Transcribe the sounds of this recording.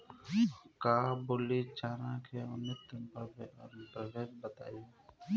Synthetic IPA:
kaːbolit͡ʃaːɾãkʰeʊnɪt̪ːəp | pɾəʋeːʃbət̪a̰ːiː

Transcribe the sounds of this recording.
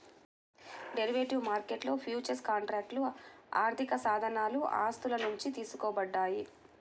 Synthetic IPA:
ɖe̞ɾiʋeʈiʋmaːɾkeʈlo̞ːpʰjuːt͡ʃɐɾskaːɳʈɾaːk̚ʈlua̰ːɾt̪ʰikɐsaːd̪ʱɐnaːluʔa̰ːst̪ulɐnuɲt͡ʃit̪iːsukoːbɐɖːaːji

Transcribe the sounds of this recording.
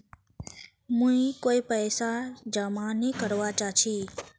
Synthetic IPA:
mũikoipəjsad͡ʒəmanikəɾʋat͡ʃat͡ʃʰi

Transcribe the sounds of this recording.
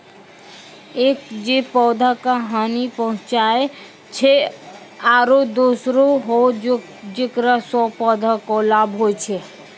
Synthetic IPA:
ekd͡ʒepɔːd̪ʱakaɦanipəɦʊ̃t͡ʃae | t͡ʃʰe | aːɾod̪usɾoɦo | d͡ʒekɾasɔpɔd̪ʱakɔlabʱɦoet͡ʃʰe

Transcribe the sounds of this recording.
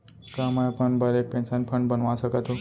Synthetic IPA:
kãmajapəɳbaɾepɛ̃nsanpʰəɳɖbənʋãsəkat̪o

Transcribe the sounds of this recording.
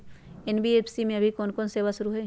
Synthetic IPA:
enbieːpʰsimẽɐbʱikɔːnkɔːnseːʋasʊɾuɦɛ

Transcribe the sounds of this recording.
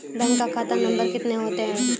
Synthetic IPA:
bɛ̃ːŋkːakʰaːt̪anɐ̃mbəɾkɪt̪neɦoːt̪eɦɛ̃ː

